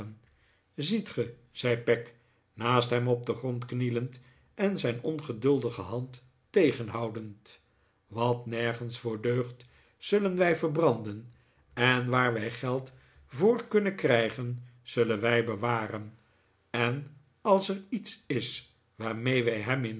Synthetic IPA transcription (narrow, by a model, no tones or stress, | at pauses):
n | zitχə | z̥ɛjpɛk | naːstɦɛmɔb̚dəχrɔntknilənt | ʔɛnzɛjnɔnχədɵlˠdəχəɦɑntː | ejχənɦɑwdənt | ʋɑtnɛɹχənsfʊːɹdøɥχt | z̥ɵlənʋɛjvəɹbrɑndən | ɛnʋaːɹʋɛjχɛlˠt | vʊːɹkɵnəkrɛjχən | z̥ɵlənʋɛjbəʋaːrən | ɛn | ɑlˠsɛritsɪs | ʋaːɹmejʋɛjɦɛmɪn